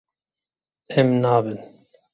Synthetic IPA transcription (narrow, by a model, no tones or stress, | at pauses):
ɛmnaːbɨn